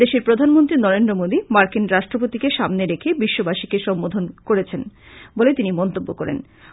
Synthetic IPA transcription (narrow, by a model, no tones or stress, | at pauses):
d̪eʃeɾpɾod̪ʱanmont̪ɾinɔɾend̪ɾomod̪imaɾkinɾaʃʈɾopot̪ikeʃamneɾekʰebiʃːobaʃikeʃɔmbod̪ʱonkoɾet͡ɕʰen | bolet̪inimɔnt̪obːokɔɾḛn